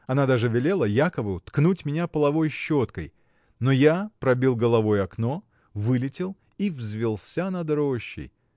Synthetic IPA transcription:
ɐnad̪aʐɨvʲɪlʲe̞lˠəjakəvʊt̪knutʲmʲɪnʲapəlˠɐvo̞jɕːot̪kəj | nojapɾɐbʲilˠɡəlˠɐvo̞jɐkno̞ | vɨlʲɪtʲɪlˠ | ivzʲvʲɪlˠsʲanɐd̪ɾoɕːɪ̰j

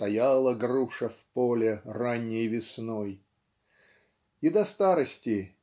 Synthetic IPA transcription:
t̪ɐjalˠəɡruʂəfpolʲɪranʲːɪjvʲɪsnoj | ɪd̪ɐst̪aɾəsʲtʲɪ

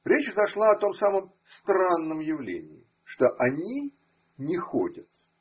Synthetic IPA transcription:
ɾʲet͡ɕzɐʂlˠaɐt̪o̞msaməm | st̪ɾanːəmjɪvlʲḛnʲɪ̰ɪ | ʂt̪oʔɐnʲi | nʲɪxo̰dʲət̪

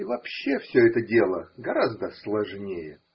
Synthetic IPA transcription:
ivɐpɕːe̞fsʲɵɛt̪ədʲe̞lˠəɡɐɾazd̪əslˠɐʐnʲejə

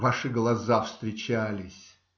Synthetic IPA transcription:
vaʂɨɡlˠɐzafst̪ɾʲɪt͡ɕælʲɪsʲ

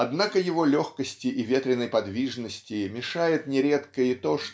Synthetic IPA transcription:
ɐd̪nakəjɪvo̞lʲo̞xkəsʲtʲɪʔivʲe̞t̪ɾʲɪnːəjpɐd̪vʲiʐnəsʲtʲɪmʲɪʂajɪt̪nʲɪɾʲe̞t̪kəɪt̪o̞ʂ

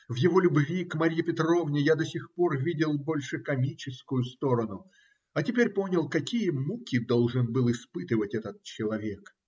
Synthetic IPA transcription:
vjɪvo̞lʲʊbvʲikmɐɾʲjɪpʲɪt̪ro̞vnʲɪjad̪ɐsʲɪxpo̞rvʲidʲɪlˠbo̞lʲʂɨkɐmʲit͡ɕɪskʊjʊst̪o̞ɾənʊ | ɐtʲɪpʲeɾʲpo̞nʲɪlˠkɐkʲijəmukʲɪd̪o̞lˠʐɨnbɨlˠɪspɨt̪ɨvətʲɛt̪ət̪̚t͡ɕɪlˠɐvʲe̞k

